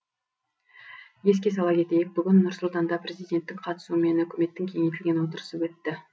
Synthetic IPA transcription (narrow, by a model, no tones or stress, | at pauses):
je̞s̬kʲe̞s̬ɑlˠɑkʲe̞t̪e̞jek̚bʏɡʲɪnːʊɾsʊlˠt̪ɑnd̪ɑpre̞zijd̪ʲe̞nt̪ːɪkqʰɑt̪ə̥suəme̞nɵkʲɪme̞t̪ːɪŋkʲʰe̞ŋejt̪ɪlʲɡʲe̞nwo̞t̪əɾə̥səwɵt̪ːɪ